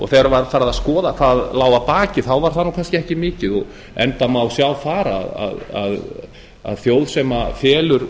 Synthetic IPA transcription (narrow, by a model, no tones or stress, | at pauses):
ɔ̰ɣθɛɣɾavaɾfaːɾaðaðskɔːðakʰvaːðlaːwvapaːcɪθawvaɾ̥θanːuwkʰanscɪɛhcɪmɪːcɪðɔɣ | ɛ̰nt̪amawsjawfaːɾa̰ːða̰ða̰ð | a̰ðθjoːwðsɛmafjɛːlʏɾ̥